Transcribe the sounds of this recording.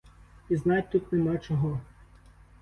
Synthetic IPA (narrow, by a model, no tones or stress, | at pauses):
iznɑtʲt̪ut̪nemɑt͡ʃɔɦɔ